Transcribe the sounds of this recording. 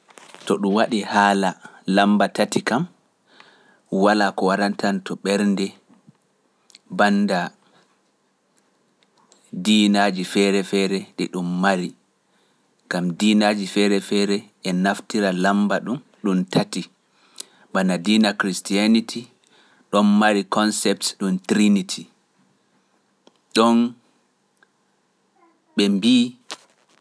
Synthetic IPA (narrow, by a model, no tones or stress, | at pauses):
tɔɗumwaɗihaːlalambatatikam | walaːkɔwaɾantantɔɓɛɾndɛ | banːda | diːnad͡ʒifɛɾɛfɛɾɛɗḭɗumːaɾi | ɡamdinad͡ʒifɛɾɛfɛɾɛ | ɛnaftiɾalambaɗum | ɗumtʰati | ɓanadiːnakɾistianitʰi | ɗɔnmaɾikʰɔnsɛp̚tsɗumtɾinitʰi | ɗɔn | ɓɛmbi